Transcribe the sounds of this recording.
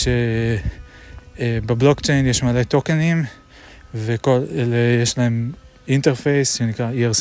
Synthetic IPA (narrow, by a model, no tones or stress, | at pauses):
ʃe | ebeblo̞kt͡ʃejnjeʃmalet̪o̞kenim | vekoleljeʃlae̞m | inteʁfejsʃenikʁaieʁs